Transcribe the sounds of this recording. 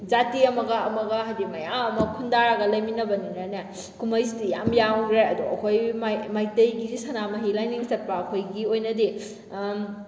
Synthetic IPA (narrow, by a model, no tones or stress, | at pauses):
zatiɐmɐɡɐɐmɐɡɐɦajdimɐjaŋɐmɐkʰundaɾaɡɐlɐjminɐbɐninana | kʰumɐjs̬idijamjaŋɾeɐduɐ̰kʰojmmajtɐjɡizisɐnamɐɦilajniŋstɐt̚paːkʰojɡiojnɐdi